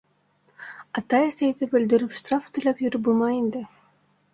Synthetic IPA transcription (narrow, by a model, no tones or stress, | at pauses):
ɑt̪ɑesejd̪ɪbɵ̆ld̪ɵ̆ɾypʂt̪raft̪ʰulʲˠɑpjyɾybulˠmɑjind̪ɘ